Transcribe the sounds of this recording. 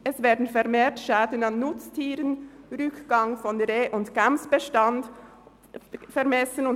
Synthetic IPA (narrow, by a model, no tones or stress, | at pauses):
ɛsvɛːɐdn̩fɛʁmeːtʃaːdən̩anːʊt͡stʰiːʁənʁʏkɡ̥ɑŋfɔnʁeːʔʊntɡ̥amsb̥əʃtɑnd | fɛʁmɛsənʊn